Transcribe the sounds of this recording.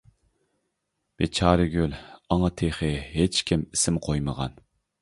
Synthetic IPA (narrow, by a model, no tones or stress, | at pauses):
b̥et͡ʃʰɑːɾɨɡʲølɑŋɑt̪ʰeχɨɦet͡ʃkʲʰimɪsɪmqʰojməʁɑ̰n